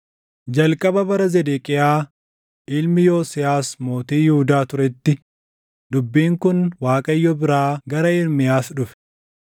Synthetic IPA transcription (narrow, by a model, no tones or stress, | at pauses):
d͡ʒɐlkʼɐbɐbɐɾɐzɛd̪eːkʼɪjaː | ʔɪlmɪjoːsɪjaːsmo̞ːt̪iːjɪhʊd̪aːt̪ʊɾɛt̪ːɪ | d̪ʊbːiːŋkʊnwaːkʼɐjːɔbɪɾaːɡɐɾɐɪɾmɪjaːsᶑʊfɛ̥